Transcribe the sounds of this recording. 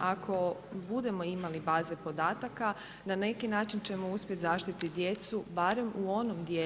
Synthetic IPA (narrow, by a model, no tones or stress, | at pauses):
akʰo̞bud̪e̞mo̞imalibaːze̞po̞d̪aːt̪aka | nane̞kinaːt͡ʃint͡ɕe̞mo̞uspjet̪zaʃt̪it̪id̪je̞t̪subaɾe̞muo̞nomd̪je